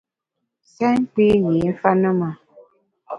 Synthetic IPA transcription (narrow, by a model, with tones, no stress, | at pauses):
sɛ˦ŋ˦k͡pi˦ji˨˦n̩˦fa˦nə˦ma˨